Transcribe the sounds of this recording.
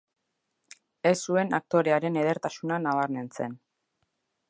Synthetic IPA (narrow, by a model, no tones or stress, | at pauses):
e̞sːue̞nak̚t̪o̞ɾe̞aɾe̞ne̞ð̞e̞ɾt̪asunanaβ̞aɾme̞nt͡se̞̰n